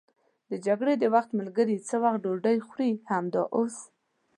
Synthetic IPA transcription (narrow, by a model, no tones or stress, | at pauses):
d̪əd͡ʒaɡɽed̪əwaxt̪məlɡəɾit͡səwaxt̪̚ɖoɖəjxɾihamd̪ɑ̰ʔos